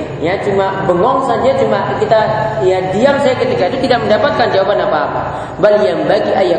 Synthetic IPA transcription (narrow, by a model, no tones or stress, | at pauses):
jat͡ʃumabəŋɔŋsaɲd͡ʒat͡ʃumaʔkit̪ajadiamsajakət̪ikadit̪idak̚məndapat̪̚kand͡ʒawabanapaːpa̰ | balijambaɡiʔaja